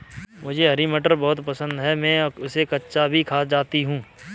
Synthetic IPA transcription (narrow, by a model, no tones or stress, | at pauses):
mʊd͡ʒʱeɦɐɾimeʈəɾbɔɦʊt̪pɐsə̃nd̪ɦɛmɛ̃ːʊsekɐtːʃabʱikʰaːd͡ʒaːt̪iɦũː